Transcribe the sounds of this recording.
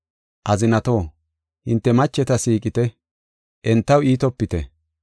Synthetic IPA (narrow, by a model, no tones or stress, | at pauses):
ʔɐzɪnɐt̪o̞ː | hɪnt̪ːɛmɐt͡ʃːɛt̪ɐsiːkʼɪt̪ɛ | ʔɛnt̪ːɐwiːt̪ɔpːɪt̪ɛ̰